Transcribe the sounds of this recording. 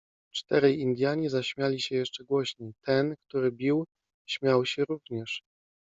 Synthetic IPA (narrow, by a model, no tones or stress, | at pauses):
t͡ʂt̪ɛɾɛjind̪ʲjaɲɛzaɕmʲjalʲiɕɛjɛʂt͡ʂɛɡwɔɕɲɛjt̪ɛnkt̪uɾɘbʲiw | ɕmʲjawɕɛɾuvɲɛʂ